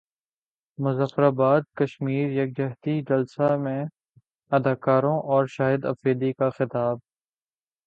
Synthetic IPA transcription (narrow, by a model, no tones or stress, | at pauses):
mʊzafɾaːbaːd̪̚kəʃmiːɾjɐk̚d͡ʒɐɦt̪id͡ʒɐlsamẽ | ɐd̪aːkaːɾõʔɔːɾʃaːɦɪd̪ɐ̰feːd̪ikaxɪt̪aːb̚